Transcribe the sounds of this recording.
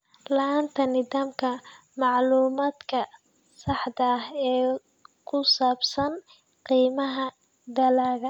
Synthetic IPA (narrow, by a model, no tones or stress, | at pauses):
lɐaːnt̪ʰɐnɪðaːmkʰɐ | mɑʕluːmaːd̪kʰɐ | sɑħd̪ɐhɛː | kʰʊsaːbsɐn | qiːmɐɦɐ | d̪ɐlaːɣɐ